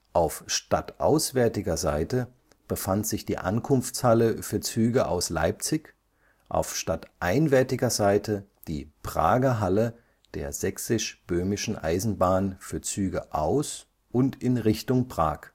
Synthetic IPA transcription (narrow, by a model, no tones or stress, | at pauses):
ʔaʊfʃtatʔa̰ʊsv̥ɛɐtɪɡɐza̰ɪtə | b̥əfantz̥ɪçd̥ḭːʔa̰nkʰʊnft͡shaləfyːɐt͡syːɡəʔa̰ʊsla̰ɪp̚t͡sɪç | ʔa̰ʊfʃtatʔaɪnvɛɐtɪɡɐzaɪtəd̥ḭːpʁ̥a̰ːɡɐɦalə | d̥eːɐzɛksɪʃb̥øːmɪʃn̩ʔa̰ɪzn̩baːnfyːɐt͡syːɡəʔaʊs | ʔʊntɪnʁɪçtʊŋpʁ̥a̰ːk